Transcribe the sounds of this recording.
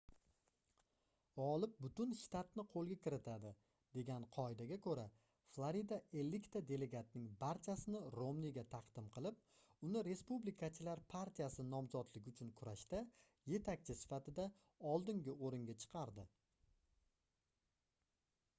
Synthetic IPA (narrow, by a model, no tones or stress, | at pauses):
ɒlˠɪp̚bʊt̪ʊnʃt̪at̪nɪqʰolˠɡʲakʲʰɪɾɪt̪ʰad̪ɪ | d̪̥e̞ɡʲanqʰɒed̪aɡʲakʰɵɾa | flˠaɾid̪ae̞lːɪkt̪ʰad̪e̞le̞ɡat̪̚nɪŋbaɾt͡ʃʰasɪnɪɾomniɡʲat̪ʰɑqd̪̥ɪmqʰɨlˠɪp̚ʊnɪɾe̞spublikʰat͡ʃʰɪlaɾpʰaɾt̪ʰijasɪnɒmzɒt̪lɪɡʲʊt͡ʃʰʊnkʰʊɾaʃt̪a | je̞t̪ʰak̚ʲt͡ʃʰɪsɪ̥fat̪ɪd̪a | ɒlˠd̪ɪŋɡʲɪoɾɪŋɡʲat͡ʃʰɨ̥qʰɑɾd̪ɪ